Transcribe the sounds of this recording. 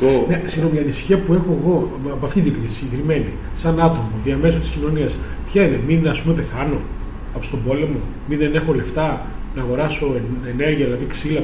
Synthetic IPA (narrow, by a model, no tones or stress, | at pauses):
nesino̞miɐnisçiɐpue̞xo̞eɣo̞ | poɐft̪ind̪iɡɾisisɟekɾime̞ni | sɐnɐt̪omoðiɐme̞s̬ot̪i̥scino̞niɐs | pçɐineminɐspumepe̞θɐno̞ | ɐpost̪o̞bo̞le̞mo̞ | minðe̞ne̞xo̞le̞ft̪ɐ | nɐːɣo̞ɾɐso̞ene̞ɾʝiɐðilɐðiksilɐ